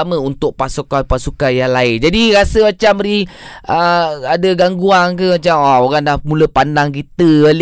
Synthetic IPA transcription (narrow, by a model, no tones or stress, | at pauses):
amə̃unt̪ʊk̚pasukanpasukanjaŋlaɪnd͡ʒadiɾasəmat͡ʃaməɾiʔəadəɡaŋɡuaŋkəmat͡ʃamaoɾaŋdahmuləpandaŋk̬it̪əəl